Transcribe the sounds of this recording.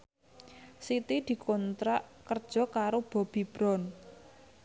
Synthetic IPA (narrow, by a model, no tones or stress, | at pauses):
sit̪id̪̥i̤kʰɔnt̪ɾaʔkərd̥ʒ̥ɔ̤kaɾob̥ɔ̤b̥i̤b̥ɾɔn